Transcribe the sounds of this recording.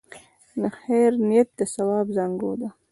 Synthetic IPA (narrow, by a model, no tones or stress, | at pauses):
nəxeːɾnijat̪̚d̪əsawɑːbzaŋɡoːd̪a